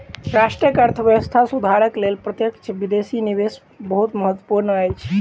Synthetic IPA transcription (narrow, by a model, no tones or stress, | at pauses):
ɾasʈɾijəkəɾt̪ʰəbjəəst̪ʰasud̪ʱaɾəklelpɾət̪jəkt͡ʃʰbid̪esinibes | bəɦut̪məɦət̪wəpuɾnəəjt͡ʃʰ